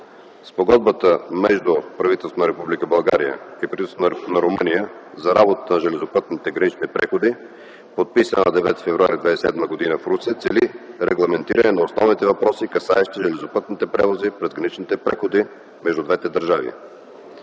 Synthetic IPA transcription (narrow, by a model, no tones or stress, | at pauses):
spoɡɔd̪bət̪əmɛʒd̪upɾɐvit̪ɛlst̪vonəɾɛpublikəbɐlˠɡa̰ɾiə̰ipɾɐvist̪nɐɾʊmɤnijəzɐɾabot̪ə̥t̪ənɐʒɛlɛzopɤt̪nit̪ɛɡɾɐnit͡ʃnipɾɛxod̪i | pot̪̚pisənə̰nɐd̪ɛvɛ̰t̪i̥fɛvɾuaɾid̪vad̪ɛsʲsɛ̰d̪məɡod̪inəfɾut̪siət̪sɛliɾɛɡlˠɐmɛnt̪iɾənɛnɐosnɔvnit̪ɛvɐpɾɔsikɐsaɛʃt̪iʒɛlɛzopɤt̪nit̪ɛpɾɛvozipɾɛzɡɾɐnit͡ʃnit̪ɛpɾɛxod̪i | mɛʒd̪ud̪vɛt̪ɛd̪əɾʒavḭ